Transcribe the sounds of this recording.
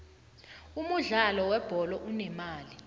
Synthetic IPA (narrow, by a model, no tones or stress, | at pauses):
umuɮalɔwɛb̥ʱɔlɔʔunɛmaːli